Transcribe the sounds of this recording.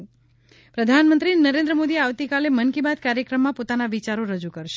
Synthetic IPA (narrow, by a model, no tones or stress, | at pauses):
pɾəd̪ʱanmə̃nt̪ɾinəɾẽnd̪ɾəmod̪ieaʋt̪ikalemənkibad̪kaɾjəkɾəmːãpot̪anaʋit͡ʃaɾoɾəd͡ʒukəɾʃe